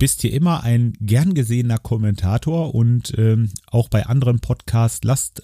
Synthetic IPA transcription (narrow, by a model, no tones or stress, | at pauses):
b̥ɪsthiːɐʔɪmɐʔaɪnɡɛɐnɡəzeːənɐkʰɔmɛntʰaːtʰoːɐʔʊntʔɛːʔaʊxb̥aɪʔandəʁənpʰɔtkʰaːstlast